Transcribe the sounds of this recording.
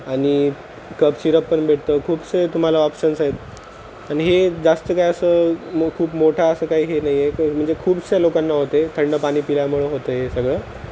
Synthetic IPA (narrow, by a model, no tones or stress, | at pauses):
aɽ̃i | kəpɕiɾəpːəɳbʱeʈ̚ʰt̪əkʰuːbset̪um̤alaɔpsənset̪̚ | aɽ̃iɦed͡zast̪əkajəsəːkʰuːpmoʈʰaəsəːkaɦiːɦenaɦijekm̤əɳd͡zekʰuːbselokanːaɦot̪et̪ʰəɳɖəpaɽ̃iːpiljamuɭeɦot̪əjesəɡɭəː